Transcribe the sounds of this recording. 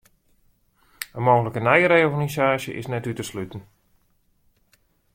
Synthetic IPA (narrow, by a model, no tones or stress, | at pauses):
əmoːɣələkənɛjəɾejɔrɣanizaːʃjə̰ʔɪ̰snɛtytəslytən̩